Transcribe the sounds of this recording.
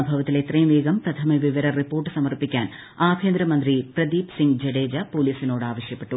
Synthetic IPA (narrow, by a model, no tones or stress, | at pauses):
bʱɐʋɐt̪ːileːt̪ɾeːmʋeːɡɐmpɾɐt̪ʰɐmɐʋiʋɐɾɐɾipoːɾʈsɐmɐɾpikʲːaːn | aːkʰeːnd̪ɾɐmɐnd̪ɾipɾɐd̪iːpsiŋɡd͡ʒɐɽeːd͡ʒɐpoːliːsinoːɽɨaːʋɐʂjɐpːɐʈːu